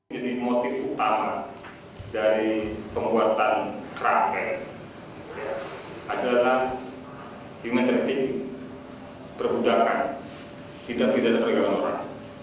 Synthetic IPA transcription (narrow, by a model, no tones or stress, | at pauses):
d͡ʒadimot̪ɪfut̪ama | daɾipəmbuat̪ankɾafɛr | ja | ʔadalah | himɛnt̪ɾt̪ik | pərbudaka̰n | t̪idaʔ̚t̪idalapəɾaɡaŋanoɾa̰ŋ